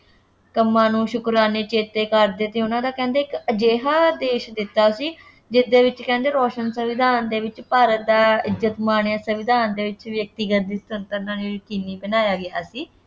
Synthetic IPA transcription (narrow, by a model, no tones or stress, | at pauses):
kəmːãːnũːʃʊkɾaːneːt͡ʃeːt̪eːkəɾd̪eːt̪eːʊnãːd̪aːkɛ̃ːnd̪eːɪkəd͡ʒeːɦaːd̪eːʃd̪ɪt̪ːaːsiː | d͡ʒɪd̪eːʋɪt͡ʃkɛ̃ːnd̪eːɾɔːʃənsəʋɪd̪ʱaːnd̪eːʋɪt͡ʃpaːɾət̪̚d̪aːɪzət̪maːɳeãːsəʋɪd̪ʱaːnd̪eːʋɪt͡ʃʋjək̚t̪iɡət̪̚d̪iːst̪ʊnt̪ənãːnẽːkɪniːbənaːjaːɡɪaːsiː